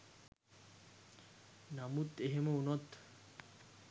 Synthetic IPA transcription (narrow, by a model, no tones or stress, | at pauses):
namut̪eɦeməunot̪